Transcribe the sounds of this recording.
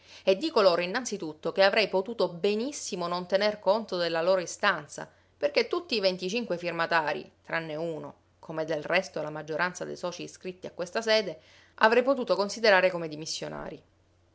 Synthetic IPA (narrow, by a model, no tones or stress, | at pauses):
ed̪ːiːkoloːɾainːant̪sit̪ut̪ːokeavɾɛjpot̪uːt̪obenisːimonont̪enerkont̪od̪elːaloːɾoist̪ant̪sa̰ | perket̪ːut̪ːiːvent̪it͡ʃiŋkwefirmat̪aːɾḭt̪ɾanːeuːno̰ | kʰomed̪elrɛst̪olamad͡ʒːoɾʔant̪sad̪ḛjsɔːt͡ʃiːskɾit̪ːia̰kːwest̪asɛːd̪e | ʔa̰vɾɛjpot̪uːt̪okonsid̪eɾaːɾekomed̪imisːjona̰ːɾi